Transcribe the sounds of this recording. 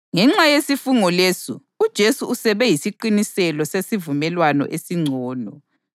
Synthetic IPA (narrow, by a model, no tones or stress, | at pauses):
ŋɛŋ͡ǁajesifuŋɔlesu | ud̥ʒ̥ʱesuusɛβɛjisiǃinisɛlɔsesivumɛlwanɔ̰ʔesiŋ͡ǀʱɔːnɔ